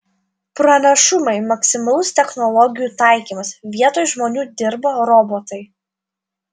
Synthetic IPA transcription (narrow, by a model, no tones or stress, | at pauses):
pɾɐnʲɛʃʊmɐɪmɐksʲɪmɐlˠʊst̪ʲɛxnɔlˠɔɡʲɪjuːt̪ɑˑɪkʲiːmɐsʋʲiɛt̪oːjʒmoːnʲuːd̪ʲɪɾboɾɔbɔːt̪ɐɪ